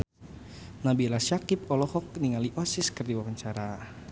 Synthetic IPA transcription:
nabilasjakip̚ɔlɔhɔk̚niŋaliʔɔsiskərdiwawaɲt͡ʃaɾa

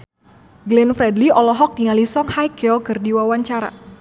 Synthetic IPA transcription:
ɡlɛnfɾɛdliɔlɔɦɔk̚tiŋalisɔŋhajkɛɔkɨrdiwawaɲt͡ʃaɾa̰

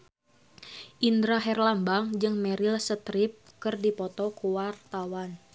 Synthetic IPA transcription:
ʔindɾaɦɛrlambaŋd͡ʒɨŋmɛɾilsət̪ɾip̚kɨrdipɔt̪ɔkuwart̪awan

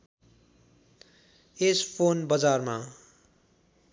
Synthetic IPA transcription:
espʰonbʌd͡zarma

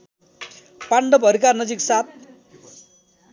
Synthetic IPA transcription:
paɳɖʌpʌɾikarnʌd͡ziksat̪̚

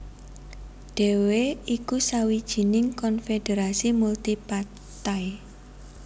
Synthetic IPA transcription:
ɖ̥e̤weikusawid̥ʒ̥i̤nɪŋkɔnfed̥eɾasimult̪ipa | t̪aj

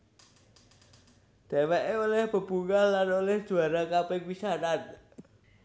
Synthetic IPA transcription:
d̪̥e̤wɛʔeolɛhb̥ə̤b̥uŋallanolɛhd̥ʒ̥ṳaɾakapek̚wisaɾat̪̚

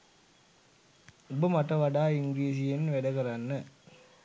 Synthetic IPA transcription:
ubəmaʈɐʋaɖaːiŋɡɾiːs̬ijenʋeɖɐkɐɾanːə

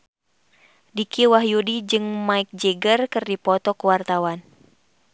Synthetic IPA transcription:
dikiwaɦjudid͡ʒɨŋmaik̚d͡ʒeɡərkɨrdipɔt̪ɔkəwart̪awan

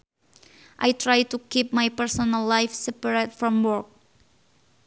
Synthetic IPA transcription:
ʔajtʰɹajtukip̚majpɛɹsɔnalːajfsɛpaɹetfɹɔ̃mwɔɹk̚

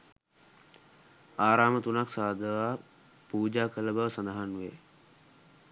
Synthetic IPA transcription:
aːɾaːmət̪unaksaːd̪əʋaː | puːd͡ʒaːkələbəʋəsand̪aɦanuʋḛ

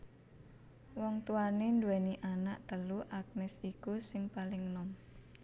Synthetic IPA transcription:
wɔŋt̪uanend̪uwɛniʔanaʔt̪əluʔak̚nɪsikusɪŋpalɪŋnɔm

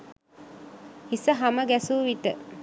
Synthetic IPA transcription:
hisəɦaməɡæsuːʋit̪ə

